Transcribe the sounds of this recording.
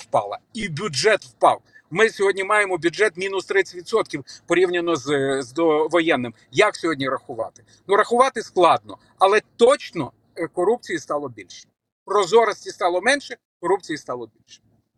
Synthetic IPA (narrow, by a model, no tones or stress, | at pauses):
wpɑ̰lˠɐ̰ibʲʊd͡ʒɛt̪wpɑw | mɪsʲɔɦɔdʲnʲimɑjemɔbʲʊd͡ʒɛt̪mʲinʊst̪ɾɪt͡sʲɐtʲʋʲid̪sɔt̪̚kʲiwpɔɾʲiwnʲɐnɔzzd̪ɔʋɔjɛnːɪm | jɐksʲɔɦɔdʲnʲiɾɐxʊʋɑ̰t̪ɪ̥ | nuɾɐxʊʋɑt̪ɪsklˠɑd̪̚nɔ | ɐlˠɛt̪ɔt͡ʃnɔ | kɔɾupt͡sʲijist̪ɑlˠɔbʲilʲʃi̥ | pɾɔzɔɾɐsʲtʲist̪ɑlˠɔmɛnʃɛ | kɔɾup̚t͡sʲijist̪ɑlˠɔbʲilʲʃɛ̥